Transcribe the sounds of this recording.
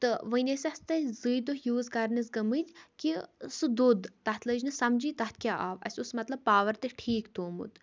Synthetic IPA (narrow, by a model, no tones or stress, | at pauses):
t̪ɨʋənʲesʲɐst̪ɐzɨːd̪oɦjuːzkɐɾnizɡɐmɨt̪ʲkisɨd̪ud̪t̪ɐt̪ʰləd͡ʒnɨsɐmd͡ʒiːt̪ɐt̪ʰkʲaːʔaːʋɐ̰sʲusmɐt̪lɐbbpaːʋɐɾt̪eʈʰiːkt̪oːmṵt̪